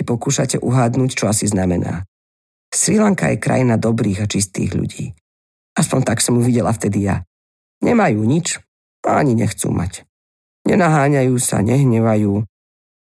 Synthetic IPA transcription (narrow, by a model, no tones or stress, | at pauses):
ipɔkuːʃacɛʔuɦaːd̪nuːct͡ʃɔasiznamɛna̰ː | sɾilaŋka̰jɛkɾa̰jinad̪ɔbɾiːɣat͡ʃist̪ḭːɣʎṵɟḭː | ʔaspɔɲt̪aksɔmjuʋiɟɛlaft̪ɛd̪ija̰ | ɲɛmajuːɲit͡ʃ | aa̰ɲiɲɛxt͡sṵːmʔa̰c | ɲɛnaɦaːɲajuːsa̰ɲɛɦɲɛʋajuː